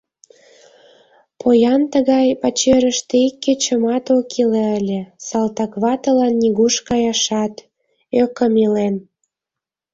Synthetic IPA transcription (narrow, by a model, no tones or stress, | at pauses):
pojɑnt̪ə̆ɣɑjpɑt͡ɕeɾə̆ʃt̪eikːet͡ɕə̆mɑt̪okʰileəlʲĕsɑlt̪ɑkβɑt̪əlɑnːiɣuʃkɑjɑʃɑt̪ | økə̆milen